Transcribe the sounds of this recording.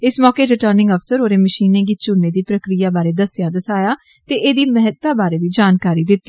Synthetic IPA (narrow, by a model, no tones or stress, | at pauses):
ɪsmɔːkeːɾɪʈəːɾnɪ̃ŋɡəpsəɾoːɾeːməʃiːnẽːɡiːt͡ʃʊnːeːd̪iːpɾəkɾijaːbaːɾeːd̪əsjaːd̪əsaːjaː | t̪eːʔeːd̪iːmɛɦət̪aːbaːɾeːʋiːd͡ʒaːnkaːɾiːd̪ɪt̪ːiː